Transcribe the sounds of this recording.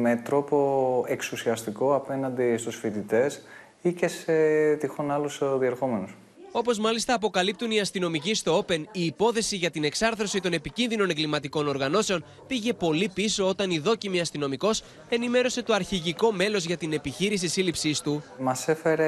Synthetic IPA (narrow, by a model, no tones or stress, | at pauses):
me̞t̪ɾo̞po̞eksusiɐst̪iko̞ɐpe̞nɐnd̪ist̪usfit̪it̪e̞s | ice̞set̪ixonɐlusðie̞ɾxo̞me̞nus | o̞po̞zmɐlist̪ɐːp̬o̞kɐlip̚t̪uniɐst̪ino̞micist̪oope̞niːpo̞θe̞siʝɐt̪ine̞ksɐɾθɾo̞sit̪o̞ne̞picinðino̞ne̞ŋɡlimɐt̪iko̞no̞ɾɣɐno̞se̞o̞n | piʝe̞po̞lipiso̞ot̪ɐniðo̞cimiɐst̪ino̞miko̞s | e̞nime̞ɾo̞se̞t̪oɐɾçiʝiko̞me̞lo̞zʝɐt̪ine̞piçiɾis̬isilipsist̪umɐse̞fe̞ɾe